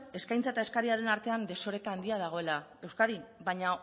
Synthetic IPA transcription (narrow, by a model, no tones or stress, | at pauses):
e̞skajnt͡sae̞t̪ae̞skaɾiaɾe̞naɾt̪e̞and̪e̞so̞ɾe̞kaːnd̪iað̞aɣ̞o̞e̞lae̞wskaðiβaɲa